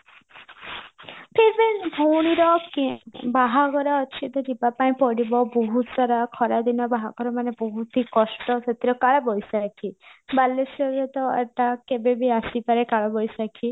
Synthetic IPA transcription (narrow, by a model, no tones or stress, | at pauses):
pʰeɾbenbʱowɽ̃iɾɔkbaɦaɡɔɾɔːt͡ʃʰit̪ed̪ibapaĩpɔɽibɔbɔɦut̪ɔɾakʰɔɾad̪inɔbaɦaɡɔɾɔmanebɔɦut̪ikɔsʈɔset̪iɾɔkaɭɔbɔjsakʰibalesɔɾet̪ɔḛʈ̪akebebʱiasipaɾekaɭɔbɔjsakʰi